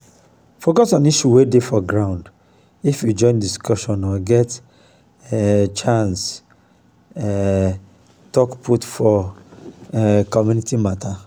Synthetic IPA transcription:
fokɔsɔ̃niʃuwedefɔɡɹãʊ̃nd | ifjud͡ʒɔ̃ɪ̃ndiskɔʃɔ̃nɔɡɛt | ɛt͡ʃãns | ɛ | tɔkpʰutfɔ | kɔmjunitimatʰa

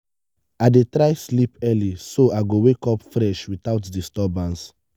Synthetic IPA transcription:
adetɾajslipɛlisoʔajɡowekɔpfɹɛʃwitaʊtdistɔbãns

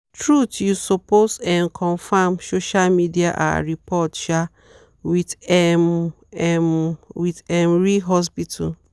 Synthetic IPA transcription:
tɹutjusɔposɛ̃nkʰɔ̃nfamsoʃalmidiaʔa̰ɹipɔtʃa | witɛm | ɛmwitɛmɹiɦɔs̬pitʰṵl

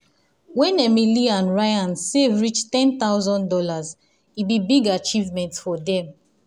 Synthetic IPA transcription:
wɛ̃nɛmiliãnɹaɪãnsevɹit͡ʃtɛ̃nt̪aʊzɔ̃ndɔlaz | ibibiɡat͡ʃivmɛ̃ntfɔdɛ̃m

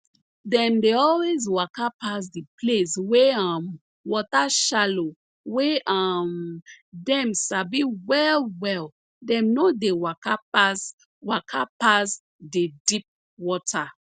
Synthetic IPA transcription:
dɛ̃mdeɔlwezwakapas̬diplesweam | wɔtaʃalo | weʔamdɛ̃msabiwɛlwɛl | dɛ̃mnodewakapas | wakʰapas | dedip̚ | wɔtʰa

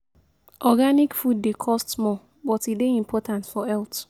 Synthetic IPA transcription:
ʔɔɡanikfud̚ːekʰɔstmɔ | bɔtideĩmpʰɔtʰãntfɔɛlt

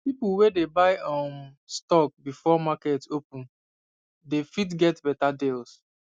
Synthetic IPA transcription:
pipuwedebaɪɔ̃m | stɔk̚bifɔmakɛtopũn | defitɡɛtbɛtadels

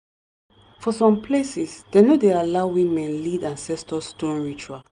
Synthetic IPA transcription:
fɔsɔ̃mpʰlesisd̥enodealaʊwĩmɛ̃nlidãnsɛstɔstõnɹit͡ʃua

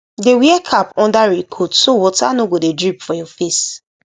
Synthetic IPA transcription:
dewiɛkʰapɔ̃ndaɹikʰotsowɔtanoɡodedɹipfɔjɔfes

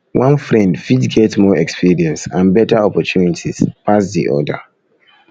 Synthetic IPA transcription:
wʔãnfɹɛ̃ndfidɡɛtmɔɛkspiɹiɛ̃nsãnbɛtaɔpɔtʰunitʰispasdḭʔɔ̰də̰

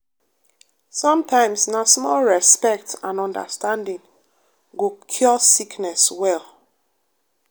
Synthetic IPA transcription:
sɔ̃mtãɪ̃msnasmɔlɹɛspɛk̚tãnɔ̃ndə̰stãndĩŋ | ɡokʰjɔsiknɛswɛl

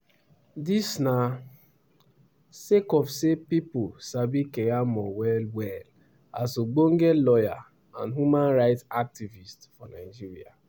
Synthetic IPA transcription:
disna | sekɔfsepipʊsabikejamɔwɛlwɛl | asoɡ͡boŋ̩ɡelɔja | ã̰nɦumanɾaɪtsak̚tivistfɔnaɪd͡ʒiɾia̰

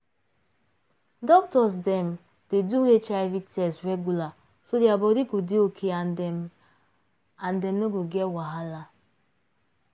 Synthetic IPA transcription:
dɔk̚tɔs̬dɛm̩ | d̥eduɾet͡ʃaɪvitɛsɹɛɡula | sodeabɔdiɡodeokʰea | andɛmnoɡoɡɛtwaɦala

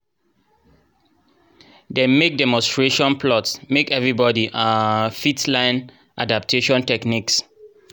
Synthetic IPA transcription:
demek̚dɛmɔ̃nstɹeʃɔ̃npʰlɔtsmekɛvɹibɔdiʔafitlãɪ̃n | ʔadap̚tʰeʃɔ̃ntɛkniks

